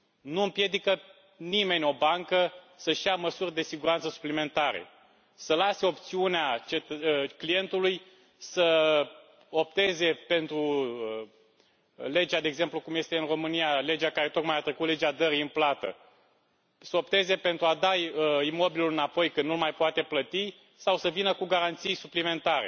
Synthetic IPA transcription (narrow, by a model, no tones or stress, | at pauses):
nuɨmpje̞d̪ikə | nime̞nʲo̞baŋkə | səʃijaməsurʲd̪e̞siɡuɾant̪səsu̥plime̞nt̪aɾḛ | səlase̞o̞pt̪siuneat͡ʃe̞t̪klije̞nt̪uluj | sə | o̞p̚t̪e̞ze̞pe̞nt̪ɾuə | le̞d͡ʒad̪eeːɡze̞mplukumje̞st̪eɨnro̞mɨnijale̞d͡ʒakaɾe̞t̪o̞kmajat̪ɾekut̪le̞d͡ʒead̪əɾiɨnplat̪ə̰ | səo̞pt̪e̞ze̞pe̞nt̪ɾuad̪aəimo̞biliulɨnapo̞jkɨnnulmajpoat̪e̞plət̪i | sawsəvinəkuɡaɾant̪sijsuplime̞nt̪aɾe̞̰